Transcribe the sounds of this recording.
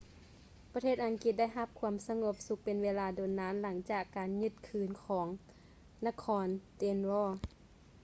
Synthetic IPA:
pa˧t̪ʰeː˥˩t̪̚ʔa˨˩ŋki˧t̪̚da˥˩jɦa˧p̚kʰu˧˦əmsa˧ŋo˧˦p̚su˧˦k̚pe˨nweː˧laː˧doː˨˩nːaː˧˥nla˩˦ŋt͡ɕaː˧˨˩kːaː˨nɲɯ˧˩t̪̚kʰɯː˨˩nkʰɔː˩˦ŋ | na˧kʰɔː˧˥nt̪e˧nwɔː˧˩

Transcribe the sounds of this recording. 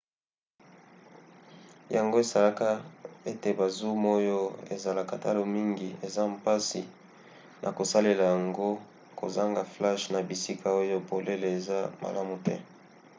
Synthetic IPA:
ja˨ŋɡo˦e˨za˨la˦ka˦e˦te˨ba˨zu˦mo˦jo˦ḛ˨za˨la˨ka˨ta̰˦lo˨mi˦ŋɡi˨e˨za˦mpa˦si˨ | nʔa̰˨ko˨sa˦le˨la˨ja˨ŋɡo˦ | ko̰˨za˦ŋɡa˨fla˦ʃna˨bi˨si˦kʰa˨o˦jo˦bo˨le˦le˨e˨za˦ma̰˨la˦mu˨tɛ̰˦

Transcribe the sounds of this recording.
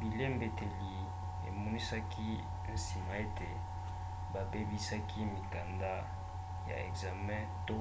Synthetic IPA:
bi˨le˦mbe˨te˨li˨ | e˨mɔ˦ni˦sa˦kʰi˦ | n̩˦si˨ma˨e˦te˨ | ba˨be˦bi˦sa˦kʰi˦mi˨ka˨nda˦ | ja̰˨ɛ˨ɡza˨mɛ̃˦to˦

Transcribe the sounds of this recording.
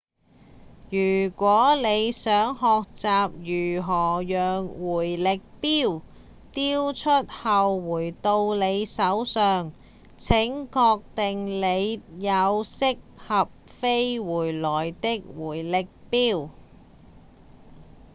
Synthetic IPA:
jyː˨˩kʷɔː˨˥le˨˧jsœː˨˥ŋɦɔː˨k̚t͡saː˨p̚jyː˨˩ɦɔː˨˩jœː˨ŋwuː˨˩jlɪ˨k̚piː˥w | t̪iː˥wt͡ʃʰɵ˥t̚hɐ˨wwuː˨˩jt̪o˧wle˨˧jsɐ˨˥wsœː˨ŋ | t͡sʰɪ˨˥ŋkɔː˧k̚t̪ɪ˨ŋle˨˧jjɐ˨˧wsɪ˥k̚hɐ˨p̚fe˥jwuː˨˩jlɔː˨˩jt̪ɪ˥k̚wuː˨˩jlɪ˨k̚piː˥w

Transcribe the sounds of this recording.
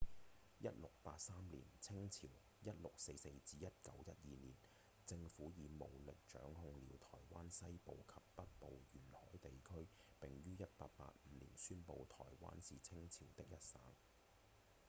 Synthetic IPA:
jɐ˦˥t̚lʊ˨k̚paː˧t̚saː˥mlḭː˨˩nt͡sʰɪ˥ŋt͡sʰiː˨˩w | jɐ˥t̚lʊ˨k̚se˧jse˧jt͡siː˧jɐ˥t̚kɐ˨˥wjɐ˥t̚jiː˨niː˨˩n | t͡sɪ˧ŋfuː˨˥jiː˨˧mo˨˩wlɪ˨k̚t͡ʃœ̰ː˨˥ŋhʊ˧ŋliː˨˧˥wt̪ʰɔ̰ː˨˩jwaː˥nsɐ˥jpo˨˧wkʰɐ˨p̚ːɐ˥t̚po˨wjyː˨˩nhɔ̰ː˨˥jt̪e˨jkʰɵ˥ɥpɪ˨ŋjyː˥jɐ˥t̚paː˧t̚pa̰ː˧t̚m̩˨˧lḭː˨˩nsyː˥npo˧wt̪ʰɔ̰ː˨˩jwa̰ː˥nsiː˨t͡sʰɪ˥ŋt͡sʰiː˨˩wt̪ɪ˥k̚jɐ˥t̚saː˨˥ŋ

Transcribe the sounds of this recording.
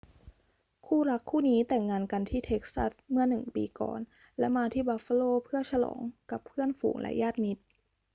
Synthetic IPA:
kʰuː˥˩ɾa˦˥kʰːuː˥˩niː˦˥t̪ɛ˨˩ŋːaː˧nka˧nt̪ʰiː˥˩t̪ʰe˦˥k̚sa̰˦˥˩smɯ˥˩nɯ˨˩ŋpḭː˧kɔ̰ː˨˩n | lɛ˦˥maː˧t̪ʰiː˥˩baː˧˥fa˧loː˧˩pʰɯ˥˩ət͡ɕʰa˧lɔ̰ː˩˦ŋka˨˩pʰɯ˥˩ənfṵː˨˩˦ŋlʔɛ̰˦˥jaː˥˩t̪̚mi˦˥t̪̚

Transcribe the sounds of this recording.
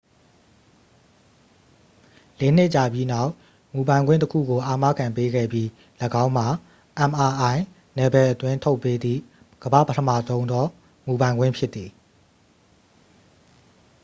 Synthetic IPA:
le˨n̥ɪ˦ʔt͡ɕa˨bji˦na˦˨ʊʔ | mu˨bã˨ɪ̃ɡwɪ̰̃˦˨təkʰṵ˦˨ɡo˨ʔa˨ma̰˦˨kʰã˨mpe˦ɡɛ̰˦˨bji˦ | ləɡã˦ʊ̃m̥a˨ | ʔã˨mʔa˨ʔã˨ɪ̃ | nɛ˨bɛ˨ʔət̪wɪ̃˦˨ntʰo˦ʊpːe˦d̪ðḭ˦˨ | ɡ̥əbä̰˦˨pətʰəmä̰˦˨zõ˦ʊ̃nd̪ɔ˦ | mu˨bã˨ɪ̃ŋɡwɪ̰̃˦˨pʰjɪ˦t̪ːi˨

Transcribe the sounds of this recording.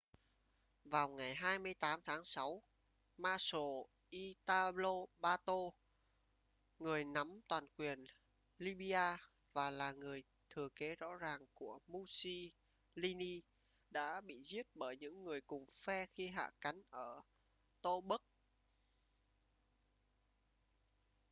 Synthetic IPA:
vaː˨˩wŋa˨˩jɦaː˧jmɨ˧əjt̪aː˨˦mt̪ʰaː˨˦ŋsa˨˦w | maː˧so˨˩ | ʔi˧t̪aː˧lo˧ɓaː˧t̪o˧ | ŋɨ˨˩əjna˨˦mt̪waː˨˩nkwi˨˩ən | li˧ɓi˧ʔaː˧ | vaː˨˩laː˨˩ŋɨ˨˩əj | t̪ʰɨ˨˩əke˨˦zɔ̰˧˥zaː˨˩ŋku˧˩əmu˧si˧ | li˧ni˧ | ɗa̰ː˧˥ɓḭ˧˨zi˦˥ət̚ɓəː˧˩jɲɨ̰˧˥ŋːɨ˨˩əjkʊ˨˩ŋ͡mfɛ˧xi˧ɦa̰ː˧˨ka˨˦jŋ̟ʔəː˧˩ | t̪o˧ɓə˦˥k̚

